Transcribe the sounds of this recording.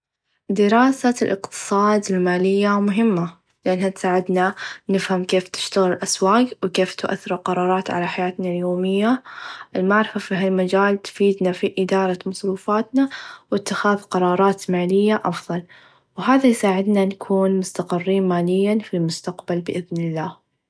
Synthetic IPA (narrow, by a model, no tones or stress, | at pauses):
d̪ɪɾɑːsalʔɪ̰qt̪ɨ̥sˤɑːd̪ɪlmaːlɪjːamʊɦɪmːa | lɪʔanhat̪saːʕɪd̪nanɪfhamkeːft̪ɪ̥ʃt̪aɣɪlɪlʔaswaːqwkeːft̪ʊʔa̰θːɪɾqɑɾˤɑːɾˤɑːt̪ʕa̰laħajaːt̪naljoːmɪjːaʔɪlmaʕɾɪfafiɦalmad͡ʒaːlt̪fiːd̪nafiʔɪd̪ɑːɾˤɑmɑsˤɾuːfaːt̪nawɪt̪ːɪxaːðqɑɾˤɑːɾˤɑːt̪maːlɪjːaʔɑfðˤɑl | wɦaːðajsaːʕɪd̪nankʰuːnmʊst̪aqɪrːiːnmaːlɪjːafilmʊst̪aqbalbɪʔɪðnɪlːaːh